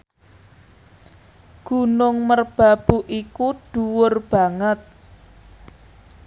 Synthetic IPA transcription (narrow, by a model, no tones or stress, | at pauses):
ɡ̥ṳnʊŋmərb̥a̤b̥ṳʔikuɖ̥uwʊrb̥ä̤ŋət̪̚